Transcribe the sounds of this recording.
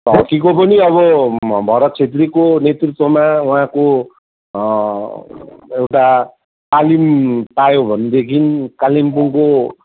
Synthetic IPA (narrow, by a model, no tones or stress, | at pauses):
tɦʌkikopʌniʌβʌbʱʌɾʌt̪̚t͡sʰet̪̬rikonet̪rit̪wʌmauɦãko | ewʈa | t̪alimpajobʱʌnd̪ekʰinkalimpuŋko